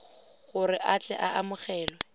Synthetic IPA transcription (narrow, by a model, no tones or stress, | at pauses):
ɣʊrɪʔat͡ɬɛ̰ʔaʔamʊχɛːlwɔ